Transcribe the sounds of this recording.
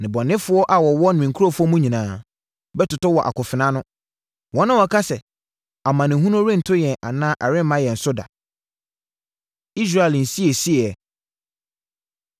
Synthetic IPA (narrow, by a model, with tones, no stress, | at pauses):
nɪ̃˨bɔ̃˨nːɪ̃˦fʊ˦ɔ˦ʔa˨wɔ˨wɔ˦nɪ̃˨mĩ˨ŋ̩kʰu˦ɾo˦fʊ˦ɔ˦mũ˦ɲĩ˨nãː˨˦ | bɛ˦tʊ˨tɔ˦wɔ˨ʔa̰˨kʰʊ˨fɪ˨nã˦nʊ̃˦ | wɔ̃˦nã˦wɔ˨kʰa˦sɛ˨ | a˨mã˨nɪ̃˨ɦũ˦nʊ̃˦ɾɪ̃˦n̩˨tʰʊ˦jɛ̃˨ʔa˨nãː˦ʔɛ˨ɾɪ̃˦m˦mã˦jɛ˨n̩˨sʊ˦da̰˨ | i˦s̬ɾa˦ɛ˨ln̩˨si˦e˨si˦˨ɛ˨